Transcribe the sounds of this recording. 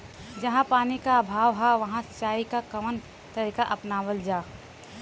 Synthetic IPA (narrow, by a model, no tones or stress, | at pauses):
d͡ʒɐɦãpaːnikaːbʱaːʋɦaʋɐɦãst͡ʃaːikakəmən | t̪əɾiːkaʔɐpnaːʋəld͡ʒaː